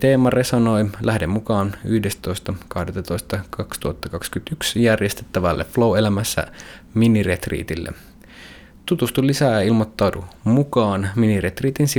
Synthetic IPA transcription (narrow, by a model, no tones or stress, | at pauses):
t̪eːmɑre̞sono̞jlæhdemːmukɑːny̰hdest̪t̪o̞jst̪ɑkɑhdet̪ɑt̪ojst̪ɑkɑkst̪uhɑt̪ːɑkɑkskyt̪yksjærjest̪et̪ːæʋælːḛflo̞we̞læmæsːæ̰miniret̪rḭːt̪ilːʔḛ | t̪ut̪ust̪ulisæːilmot̪ːɑwtumukɑːnminiret̪riːt̪insi